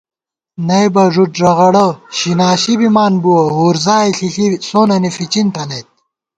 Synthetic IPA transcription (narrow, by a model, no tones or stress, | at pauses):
nɐjbɐʐuʈʐɐɣɐɽɐɕinaːɕibimaːnbuwɐɦuːɾzaːjɬiɬisoːnɐnifit͡ɕint̪ʰɐnɐjt̪̚